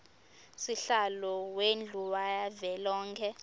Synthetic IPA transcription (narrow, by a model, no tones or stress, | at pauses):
siɬalɔwend͡ɮʱuwajavɛlɔːŋkʰɛ